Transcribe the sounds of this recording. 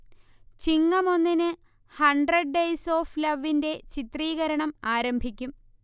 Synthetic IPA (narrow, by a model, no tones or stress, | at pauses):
t͡ɕiŋːɐmo̞nːinɨ | hɐɳɖrɐɖ̚ɖejso̞ːflɐʋːinde̞t͡ɕit̪riːɣɐɾɐɳɐmaːɾɐmbʱikʲːum